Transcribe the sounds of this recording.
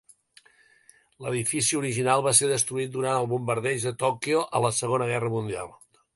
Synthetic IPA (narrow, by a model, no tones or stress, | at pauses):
ləðifisiuɾiʒinalˠβaseɾðəst̪ɾuit̪̚d̪uɾanəlˠβumbəɾðɛʒðət̪ɔkioʔə̰ləsəɣonəɣɛrəmund̪ia̰lˠ